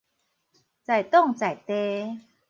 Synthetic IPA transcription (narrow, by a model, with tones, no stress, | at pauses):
t͡sa˨˩jt̪ɔ˥˨ŋt͡sa˨˩jt̪e˧˦